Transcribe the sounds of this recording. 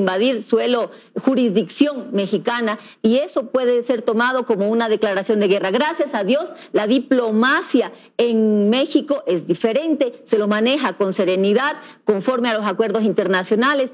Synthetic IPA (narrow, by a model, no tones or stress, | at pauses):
mbaðiɾswe̞lo | xuɾizðiksjo̞ŋme̞xikana | ie̞so̞pwe̞ðe̞se̞ɾt̪o̞mað̞o̞ko̞mounaðe̞klaɾasjo̞nd̪e̞ɣe̞raɣɾasjasaðjo̞slaðiplo̞masja | eŋme̞xiko̞ʔe̞zd̪ife̞ɾe̞nt̪e̞se̞lomane̞xako̞nse̞ɾe̞niðaðko̞ɱfoɾmealo̞sakwe̞ɾðos̬int̪e̞ɾnasjo̞nale̞s